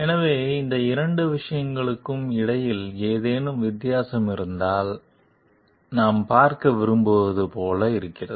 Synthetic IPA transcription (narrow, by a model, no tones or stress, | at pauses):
ɛnɐʋeːɪnd̪ɐɪɾɐɳɖɯʋɪʂɐjɐŋɡɐɭɯkːɯmɪɽɐjɪleːðeːnɯmʋɪt̪ːɪjaːsɐmɪɾɯnd̪aːl | naːmpaːɾkɐʋɪɾɯmboːðɯpoːlɐɪɾɯkːɪrɐ̰ðɯ